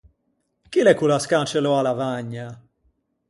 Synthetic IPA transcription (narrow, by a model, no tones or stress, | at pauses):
kilɛkulaskaːt͡ʃɛlɔalavaɲːa